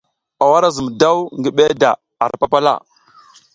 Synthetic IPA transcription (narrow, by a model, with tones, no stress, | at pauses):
a˨wa˦ɾa˦zə˨m˨da˦wŋɡi˦ɓe˦da˨ | a˨ɾpa˦pa˦la̰˦˨